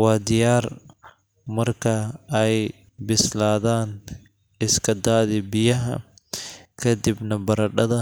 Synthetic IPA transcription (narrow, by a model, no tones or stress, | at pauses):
wɑːd̪ɪjaːr | mɐrkʰɐɛj | bɪslaːðaːn | ɪskʰɐd̪aːðɪbɪjɐɦɐ̰ | kʰɐd̪ɪbnɐbɐɾɐɖɐðɐ